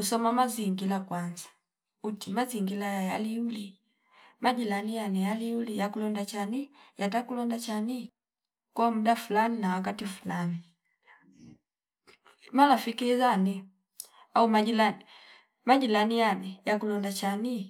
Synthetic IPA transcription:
kusɔmamaziŋɡilakwanzḁ | utimaziŋɡilajajaliuli | maɟilanijanɛjaliulijakulɔndat͡ʃanijat̬akulɔndat͡ʃani | kwamuɗafulaninawak̬atifu̥lani | malafikizanɛ | aumaʄilani | maɟilanijanɛjakulɔndat͡ʃani

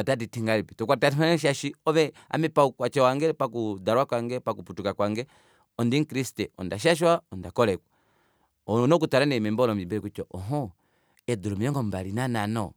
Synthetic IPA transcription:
ɔtatitiŋɡalipitɔkwatatimanʃaʃiɔβɛa̰mɛpaukwat͡ʃɛwaŋɡɛpakudaɾwakwaŋɡɛpakuputukakwaŋɡɛ | ɔndiŋ̩kɾistɛɔ̰ndaʃ̬aʃ̬waɔndakɔlɛkwa | nɔk̬utaɾanɛmɛmbɔlɔmimbɛɾɛkut͡ʃɔʔɔɦɔ | ɛdulɔmiɛŋɡɔmbalinananɔ

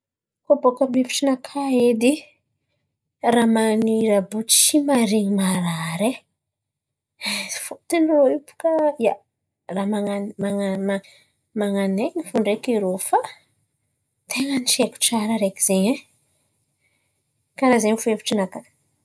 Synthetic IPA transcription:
kobokamefi̥ʈ͡ʂinakʰaed̪i | ramaniɾabut͡ʃt͡ʃimaɾiŋimaɾaɾe | fut̪inroipu̥kaja | ramaŋanmaŋa | maŋaneɲifuɳɖ͡ʐekiɾofa | t̪ʰeŋəniʃeku̥ʈ͡ʂaɾəɾekiz̥eɲa | kaɾazemifuefi̥ʈ͡ʂinaka

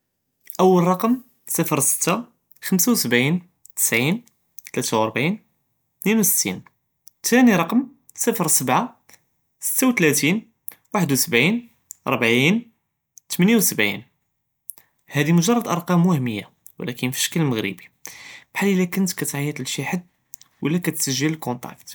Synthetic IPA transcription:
ʔəwːəlɾˤɑqəm | səfɾsə̥t̪ːa | xəmsawsəbʕin | t̪ə̥sʕin | t̪læt̪awʔɑɾˤbʕin | t̪ninwusə̥t̪ʰːḭn | t̪ʰæniɾˤɑqəm | səfɾsəbʕa | sə̥t̪ːawt̪læt̪in | waħəd̪wsəbʕin | ʔɾˤbʕin | t̪mænjawsəbʕḭn | hæd̪imʊʒɑrˤːɑd̪ʔɑɾˤqɑmwəhəmːəjːa | wə̰lækənfi̥ʃə̥kælməɣɾḭbi̥bħalːilːækənt̪kæt̪ʕajət̪əlʃiħəd̪̚ | wʔəlːækæt̪səʒːələlkont̪ˤɑ̰kt̪

